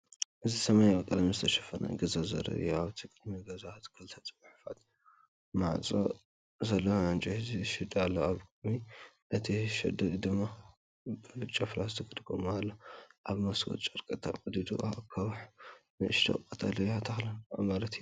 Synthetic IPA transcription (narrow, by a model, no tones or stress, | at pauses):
ʔɨzisɐmajaβkʼɨd̪mizɨt̪ʰɐʃɐ̥fɐna̰ɡɐzazɐ̰ɾɐ̰juaβt̪ʰikʼɨd̪miɡɐzat̪kʰɨlt̪ʰat͡sʼβaħfat̪ | maʕt͡sʼo̰ | zɐlːoʕant͡ʃʼiziʃɐd̪alːɐaβkʼɨd̪mi | ʔɨt̪ʰiʃɐ̰d̪ɨd̪ɨmːa | bɨɨt͡ʃʼːaflazt̪ʰɨkʰʼɨd̪ɨɡʰomalːɐʔaβmɐsɡʼo̰t̪t͡ʃʼɐɾkʼɐt̪ʰːa̰ʔʼod̪id̪uʔa̰kʰɐβħnɨʔɨʃt̪ʰo̰ɨkʼɐt̪ʼalɐjat̪ʰɐxlɐnamalɐt̪j